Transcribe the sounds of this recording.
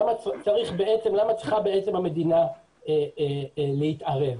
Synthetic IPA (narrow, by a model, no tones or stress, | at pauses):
amat͡saʁiχbe̞ʔett͡se̞mlamat͡sʁiχabe̞et͡se̞mhame̞d̪ina | eele̞it̪aʁe̞v